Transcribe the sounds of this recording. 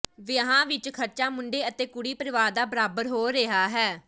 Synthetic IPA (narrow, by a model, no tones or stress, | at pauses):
ʋɪəɦãːʋɪt͡ʃkʰəɾt͡ʃaːmʊɳɖeːət̪eːkʊɽiːpəɾɪʋaːɾd̪aːbəɾaːbəɾɦoːɾeɦaːɦɛː